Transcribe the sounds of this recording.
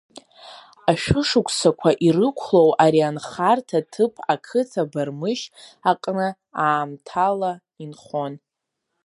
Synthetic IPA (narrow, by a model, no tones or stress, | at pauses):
aʃᶣʊʂɨkʷʰʼsakʷʰaʔirɨkʷʰlo̞wʔaɾianχartʰatʰɨpʰakʰɨt͡sʰabarmɨʃaqʼnɨ | aːmtʰala | inχo̞n